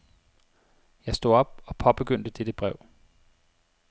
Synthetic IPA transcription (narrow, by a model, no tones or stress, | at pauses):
jɑ̈ɪsd̥o̝̰ɒ̽b̥ɒ̽pʰɒ̽b̥e̝ɡ̥øn̰d̥əd̥ed̥əb̥ʁɛʊ̰